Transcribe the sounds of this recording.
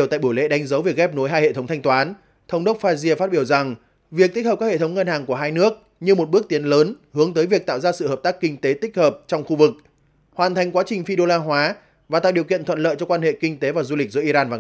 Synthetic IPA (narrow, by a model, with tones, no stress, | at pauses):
t̪a̰ː˧˨jɓu˧˩jlḛ˧˨ɗa˨˦jŋ̟zə˨˦wvi˨˩ək̚ɣɛ˦˥p̚no˨˦jɦaː˧jhḛ˧˨t̪ʰə˨˦wŋ͡mt̪ʰjŋ̟t̪waː˨˦n | t̪ʰə˨˦wŋ͡mɗə˦˥t̚faː˧zi˧ə˧faː˦˥t̚ɓi˧˩əwza˨˩ŋ | vi˨˩ək̚t̪i˦˥k̚əː˨˩kaː˦˥hḛ˧˨t̪ʰwŋ͡mŋə˧nhaː˨˩ŋku˧˩əɦaː˧jnɨ˦˥ək̚ | ɲɨ˧mo˨˩t̚ɓək̚t̪i˨˦ənləː˨˦nhɨ˨˦əŋt̪əː˨˦jvi˨˩ək̚t̪a̰ː˧˨wzaː˧sɨ̰˧˨həː˨˩p̚t̪aː˦˥kːï˧ŋ̟t̪e˨˦t̪ï˦˥k̟̚həː˨˩p̚t͡ɕɔ˧wŋ͡mxu˧vɨ˨˩k̚ | hwaː˨˩nt̪ʰa˨˩jŋ̟kwaː˨˦t͡ɕï˨˩ŋ̟fi˧ɗo˧laː˧ɦwaː˨˦ | vaː˨˩a̰ː˧˨ɗi˨˩əwkḭ˧˨ənt̪ʰwə˧˨nlə̰ː˧˨jt͡ɕɔ˧kwaː˧nhḛ˧˨kï˧ŋ̟t̪e˨˦vaː˨˩zu˧li̟˨˩zɨ̰˧˦əʔi˧zaː˧nvaː˨˩